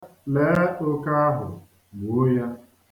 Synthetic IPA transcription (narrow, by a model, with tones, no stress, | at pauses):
le˨˦ʊ˦ka˦a˦ɦʊ̰˨ | bʊ˨˦ja˦